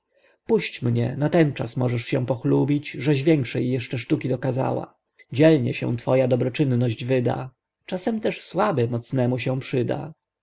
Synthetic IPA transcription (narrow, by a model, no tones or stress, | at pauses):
puɕt͡ɕmɲɛnat̪ɛnt͡ʂa̰smɔʐɛʂɕɛ̃w̃pɔxlubʲit͡ɕʐɛʑvʲjɛŋkʂɛjːɛʂt͡ʂɛʂt̪ukʲid̪ɔkaza̰wa̰ | d͡ʑɛlɲɛ̰ɕɛ̰w̃t̪fɔjad̪ɔbɾɔt͡ʂɘnːɔʑd͡ʑvɘd̪a̰ | t͡ʂasɛmt̪ɛʂswabɘmɔt̪snɛmuɕɛw̃pʂɘd̪a̰